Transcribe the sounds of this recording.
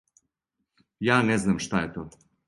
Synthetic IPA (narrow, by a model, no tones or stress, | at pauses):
jaːneznamʃt̪ajet̪oː